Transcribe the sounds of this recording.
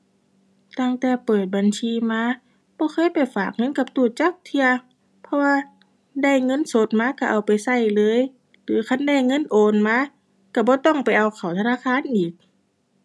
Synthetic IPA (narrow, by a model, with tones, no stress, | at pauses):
t̪a˧˩˨ŋt̪ɛː˧˩pɤː˨˩t̪̚ba˨nsiː˧maː˧˥ | bɔː˧˦xʰɤː˧˥˨jpa˨˩jfaː˨˩k̚ŋɤ˧˥˨nka˧˦p̚t̪uː˧˩t͡ɕa˧˥˩k̚t̪ʰi˧ɐ | pʰɔ˧waː˧ | da˧˩˨jŋɤ˧˥˨nso˧˦t̪̚maː˧˥ka˧˩ʔa˨˩wpa˨jsa˧˥˩jlɤː˧˥˨j | lɯː˨˦kʰa˧˥˨nda˧˩˨jŋɤ˧˥˨nʔoː˨˩nmaː˧˥ | ka˧˩bɔː˧˦t̪ɔ˧˩˨ŋpa˨˩jʔa˨˩wkʰa˨˩wt̪ʰa˧naː˧˥˨kxʰaː˧˥˨nʔiː˨˩k̚